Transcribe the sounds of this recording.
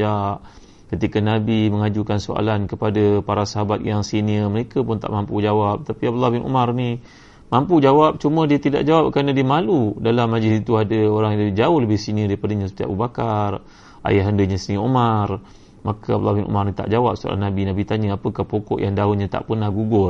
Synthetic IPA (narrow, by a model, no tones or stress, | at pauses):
aʔ | kət̪ikanabiməŋad͡ʒukansoa̰lankəpadapaɾasaɦabat̪̚jaŋsiniəməɾekəpʊnt̪aʔmampud͡ʒawap̚t̪apiab̚labɪnʔṵmarni | mampud͡ʒawap̚t͡ʃumədiət̪ida̰ʔd͡ʒawap̚kaɾnadiəmaludalamːad͡ʒlɪsit̪uadəoɾaŋd͡ʒaʊhləbɪhsiniədaɾipadaɲãsu̥t̪ia̰ʔbəbakar | ʔa̰jaɦəndəɲasəniomar | makaablabɪnʔṵmarnit̪a̰ʔd͡ʒawap̚soa̰lanabinabit̪aɲaapəkahpokɔ̰ʔjaŋdaunɲat̪a̰ʔpənahɡuɡʊr